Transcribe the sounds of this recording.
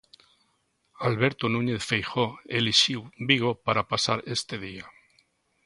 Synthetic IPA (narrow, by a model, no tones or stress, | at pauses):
alβeɾt̪onũɲeθfejxoeliʃiwbiɣopaɾapasaɾest̪eðia